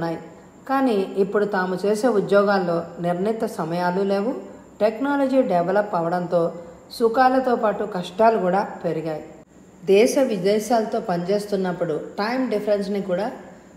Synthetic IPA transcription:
nːaːji | kaːniːpːuɽut̪aːmut͡ʃe̞ːse̞ːud̪jɔːɡaːlːo̞ːniɾnit̪ːɐsɐmɐjaːlule̞ːʋu | ʈeknaːlɐd͡ʒiːɖɛʋɐlɐpːɐʋɐɽɐnt̪o̞ː | sukaːlɐt̪o̞ːpaːʈukɐʂʈaːlukuːɽaːpe̞ɾiɡaːji | d̪ɛːʃɐʋid̪ɛːʃaːlɐt̪o̞ːpɐɲd͡ʒe̞ːst̪unːɐpːuɽuʈɐjmɖipʰɐɾensnikuːɽaː

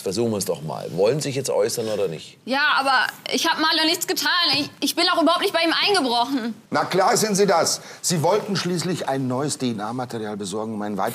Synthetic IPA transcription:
fɛɐzuːxnvɛsd̥ɔ̰χma̰ːlvɔlənzizɪç̬jɛt͡stʔɔ̰ʏsɐnoːdɐnɪ̰çtjaːʔaːbɐʔɪçhaːbəmaːldɔnɪçt͡sɡ̥ətʰaːnɪʔɪçb̥ɪnaʊxʔybɐhaʊptnɪçt̚b̥aɪiːmʔaɪnɡəbʁɔχn̩nakl̥aːɐzɪntziːdasz̥iːvɔltn̩ʃliːslɪçaɪnːɔʏəsd̥enaːɐmatʰeʁiaːlbəzɔɐɡŋ̩ʊmaɪnvaɪt

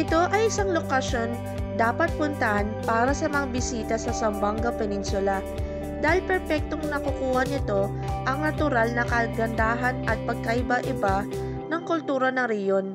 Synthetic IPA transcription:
ʔɪt̪o̞ʔɐjʔɪsaŋlokɐʃo̞n | d̪aːpɐt̪̚pʊnt̪ɐʔanpaːɾɐsɐmɐŋabɪsiːt̪ɐsɐsɐmbaŋɡɐpɛnɪnsʊlɐ | d̪aːhɪlpɛɾpɛk̚t̪oŋnɐkukuːhɐnɪt̪o̞ | ʔɐŋnɐt̪ʊɾalnɐkɐɡɐnd̪aːɦɐnʔɐt̪̚pɐɡ̚kɐʔɪbaʔɪba | nɐŋkʊlt̪uːɾɐnɐŋɾɛhjo̞n

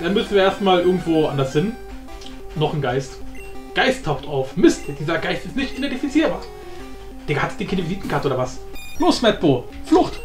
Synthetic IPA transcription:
d̥anmʏsn̩viːɐeɐstmaːlʔɪɐɡŋ̩tv̥oːʔa̰ndɐshɪn | nɔχnɡaɪstɡ̥aɪstʰːaʊxtaʊfmɪstd̥iːzɐɡ̥aɪstɪstnɪçtʔidɛntifit͡siːɐbaːɐ | d̥eːɐhatd̥eːnkʰɪnəviziːtn̩kʰaːɐtəʔoːdɐvasloːsmɛt̚b̥oːflʊχt

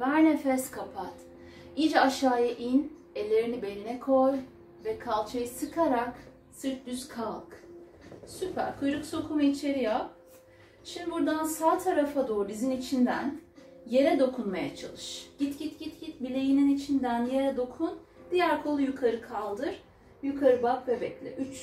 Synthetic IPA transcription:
væɾnefɛskʰapʰat̪ | id͡ʒaʃaːjaʔin | ɛlʲːe̞ɾinibe̞lʲinɛkʰo̞j | vɛkʰalˠt͡ʃʰajɯsɯkʰaɾak | sɯɾt̪̚d̪yzkʰalˠk | sypʰæ̰ɾkʰujɾukso̞kʰumait͡ʃʰe̞ɾijap̚ | ʃimd̪ibuɾd̪ansaːt̪ʰaɾafad̪oːɾizinit͡ʃʰind̪ænje̞ɾɛd̪o̞kʰunmajat͡ʃʰa̰lˠɯʃɟ̥it̪ɟit̪ɟ̥it̪ɟ̥it̪bilʲe̞jininit͡ʃʰind̪ænje̞ɾɛd̪o̞kʰun | d̪̥ijæɾkʰo̞lˠujukʰaɾɯkʰalˠd̪ɯɾ̥ | jukʰaɾɯbapvɛbɛclʲɛ̰ʔyt͡ʃ

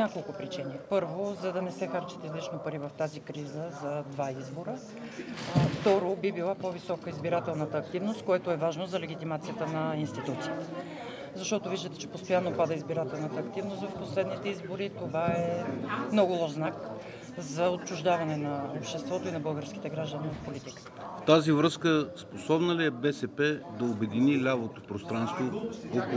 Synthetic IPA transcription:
akolˠkʊpɾit͡ʃinipɤɾvozɐd̪ɐnɛsɛxaɾt͡ʃɛ̥t̪izlit͡ʃnopɐɾivɐft̪azikɾizəzɐd̪vaizboɾə | ft̪ɔɾobibilˠapɔvisɔkəizbiɾat̪ɛlˠnət̪əːk̚t̪ivnost̪̚koɛt̪oɛvaʒnozɐlɛɡ̟ʲit̪imat̪sijət̪ənɐinst̪it̪ut̪siit̪ɛ | zɐʃt̪ɔt̪oviʒd̪ət̪ɛt͡ʃɛpost̪ojanːopad̪əizbiɾat̪ɛlˠnət̪əːkt̪ivnost̪vɐfposlɛd̪nit̪ɛizboɾit̪ovaɛmnɔɡʊlˠɔʃznak | zɐot̪̚t͡ʃʊʒd̪avɐnɛnɐopʃt̪ɛst̪vɔt̪oinɐbɤlˠɡəɾsk̟ʲi̥t̪ɛɡɾaʒd̪ənivɐfpolit̪ikə̥t̪ə̥ft̪azivɾɤskəsposɔbnəliɛbɛsɛpɛd̪ɐobɛd̪inilʲavot̪opɾost̪ɾanst̪voɔko

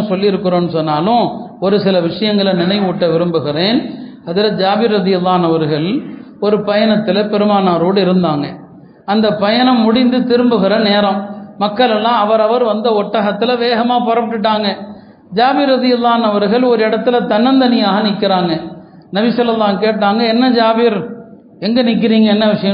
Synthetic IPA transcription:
sɔlːɪɪɾɯkːɯɾõːnːɯsɔnːaːlʊ̃ɔɾɯsɪlɐʋɪʂɐjɐŋɡɐɭɐnɪnɐɪʋuːʈːɐʋɪɾɯmbɯɣɪɾeːn | ɐðɯlɐd͡ʒaːbɪɾːɐðɪjɐlːaːɐnɐʋɐɾɣɐɭ | ɔɾɯpɐjɐnɐt̪ːɪlɐpɛɾɯmaːnaːɾoːɽɯɪɾɯnd̪aːŋɡɐ | ɐnd̪ɐpɐjɐnɐmːʊɽɪnd̪ɯt̪ɪɾɯmbɯɣɪɾɐneːɾɐ̃mmɐkːɐɭɛlːãːɐʋɐɾɐʋɐɾʋɐnd̪ɐɔʈːɐɣɐt̪ːɪlɐʋeːɣɐmaːpɐɾɐpːɐʈːɯʈ̬ːaːŋɡɐ | d͡ʒaːbɪɾːɐðɪjɐlˠːaːɐnɐʋɐɾɣɐɭɔɾɯɪɽɐt̪ːɪlɐt̪ɐnɐnd̪ɐnɪjaːɣɐnɪkːɪɾaːŋɡɐ | nɐbɪsɐlːɐlːaːkeːʈːaːŋɡɐɛnːɐd͡ʒaːbɪɾ | ɛŋɡɐnɪk̬ːɪɾiːŋɡɐɛnːɐʋɪʂɐjɐ̃

